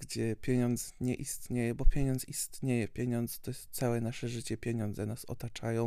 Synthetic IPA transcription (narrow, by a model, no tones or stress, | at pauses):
ɡd͡ʑɛpʲjɛɲɔnd̪zɲɛʔist̪ɲejɛbɔpʲjeɲɔnist̪ɲejɛpʲjeɲɔnd̪zɛ̥t̪ɔjst̪sawɛnaʂɛʐɘt͡ɕɛpʲjeɲɔnd̪zɛnasɔ̰t̪at͡ʂajɔ̃w̃